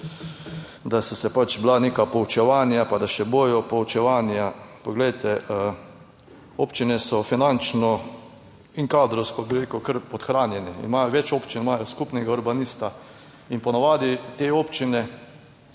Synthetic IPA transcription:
d̪asɔsɛpat͡ʃblaneːkapɔut͡ʃɛʋaːnjapad̪aʃɛboːjɔpɔut͡ʃɛʋanjapɔɡlɛjt̪ɛ | oːpt͡ʃinɛsɔfinant͡ʃnɔ | iŋkaːd̪ɾɔwskɔbɪɾeːkukəɾpɔt̪xɾaːnjɛnɛḭnmaːjɔʋɛt͡ʃoːpt͡ʃinmaːjɔskupnɛɡauɾbanist̪a | inpɔnaʋaːd̪it̪eːoːpt͡ʃinɛ

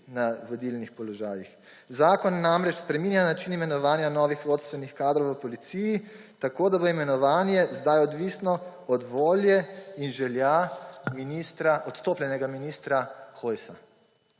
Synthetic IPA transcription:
naʋɔd̪ilnixpɔlɔʒaːjix | zaːkɔnːamɾɛt͡ʃspɾɛmiːnjanat͡ʃinimɛnɔʋaːnjanɔːʋixʋot̪st̪ʋɛnixkaːd̪ɾɔwʋəpɔlit̪siji | t̪akoːd̪aboimɛnɔʋaːnjɛzd̪ajɔd̪ʋisnɔɔd̪ʋoːljɛinʒɛljaminist̪ɾaʔɔt̪st̪oːplʲɛnɛɡaminist̪ɾaxojsa

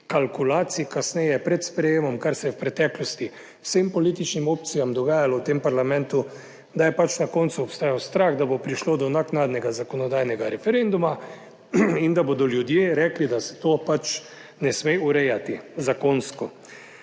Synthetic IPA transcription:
kalkulaːt̪sikasnɛjɛpɾɛt̪spɾɛjeːmɔmkaɾsɛjɛwpɾɛt̪ɛklɔst̪i | w̥sempɔliːt̪it͡ʃnimoːp̚t̪sijamd̪ɔɡaːjalɔwt̪empaɾlamɛ̃nt̪u | d̪ajɛpat͡ʃnakont̪suɔpst̪aːjawst̪ɾaɣd̪abopɾiʃlod̪ɔnaknaːd̪nɛɡazakɔnɔd̪aːjnɛɡaɾɛfɛɾend̪uma | ind̪abod̪ɔljud̪jeɾɛklid̪asɛ̥t̪opat͡ʃ | nɛsmeuɾɛjat̪izakonskɔ

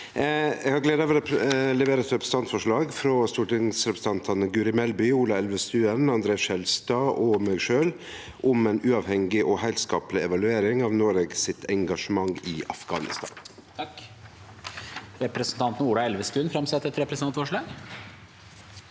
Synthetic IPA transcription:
ɛɡhɑɾɡleːd̪ɑɑʋəɾlɛʋeːɾəɛt̪ɾɛpɾəsn̩t̪ɑnt̪fɔʂɭɑːɡfɾɔst̪uːʈɪŋsɾɛpɾəsəɑnt̪ʰɑnəɡʉːɾɪmɛlbʏuːlɑɛlʋəst̪ʉːənɑnd̪ɾeːɑsɛlst̪ɑːʔɔmæɡʂøːl | ʔʊmɛɪnʉːɑʋhɛŋɪʔɔhæɪlskɑːplɪɛʋɑlʉeːɾɪŋɑːʋnoːɾeːɡsɪt̪ʰɛŋɡɑʂəmɑŋːɪʔɑ̰fɡɑ̰ːnɪ̰st̪ɑ̰ːn | ɾɛpɾəsn̩t̪ʰɑnt̪n̩uːlɑɛlʋəst̪ʉːnfɾɑmsɛt̪ːɛt̪ɾɛpɾəsnɑnt̪fɔʂɭɑːɡ

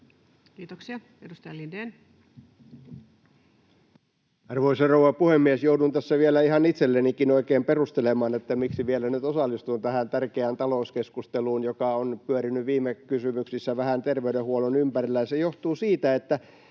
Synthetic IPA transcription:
kiːt̪oksiɑ | edust̪ɑjɑlindeːn | ɑrʋoisɑrowʋɑpuhemːiesjoudunt̪æsːæʋielæihɑnit̪selːenikinoikeːmperust̪elemɑːnet̪ːæmiksiʋielænyt̪osɑlːˑist̪unt̪æhænt̪ærkeænt̪ɑloˑuskeskust̪eluːnjokɑonpyøɾinyʋiːmːekysymyksisːæʋæhænt̪erʋeyɾehuolonympærilːæjɑsejoht̪uːsiːt̪æet̪ːæ

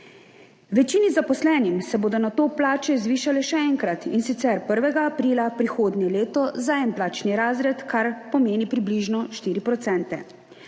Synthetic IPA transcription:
ʋɛt͡ʃiːnizapɔslɛːnimsɛboːd̪ɔnat̪oːplaːt͡ʃɛzʋiːʃalɛʃɛɛŋkɾat̪insit̪sɛɾpəɾʋɛɡaːpɾiːlapɾixoːd̪ɲɛleːt̪ɔzaɛmplaːt͡ʃniɾaːzɾɛt̪kʰaɾpɔmeːnipɾibliʒnɔʃt̪iːɾipɾɔt̪sɛnt̪ɛ̰

